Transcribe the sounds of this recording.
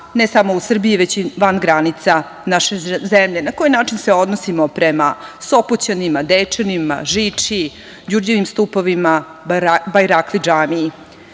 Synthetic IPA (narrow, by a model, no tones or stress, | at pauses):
nesamousr̩biiʋe̞t͡ɕiʋanɡɾanit̪sa | naʃezemʎe̞nako̞jinaːt͡ʂinseo̞d̪nosimopɾema̰so̞pot͡ɕanimad̪eːt͡ʂenima̰ʒiːt͡ʂi | d͡ʑurd͡ʑeʋimst̪upoʋima | bajɾaklid͡ʒaːnii